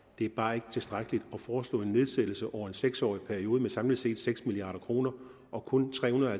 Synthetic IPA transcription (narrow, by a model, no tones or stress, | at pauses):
d̥e̝æɐb̥ɑ̈ːe̝ɡ̥ə̥t͡sʰe̝sd̥ʁaɡ̥əlid̥ɒ̽fɒːslɔ̰̽ːe̝nːe̝ð̞ˠsed̥l̩səʔɒʊɐe̝nseɡ̥sɒ̰ːipʰæɐio̝ːð̞ˠmesɑ̈mlid̥se̝̰ːd̥seɡ̥smiliɑ̰̈ːɾɐkʰʁo̝ːnɐ | ʔɒ̽kʰɔ̽nt͡sʰʁɛ̰ːhunðˠæ